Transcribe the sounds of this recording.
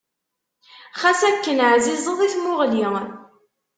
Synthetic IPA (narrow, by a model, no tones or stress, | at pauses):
χæsækːənʕzizˤəðˤiθmʊʁli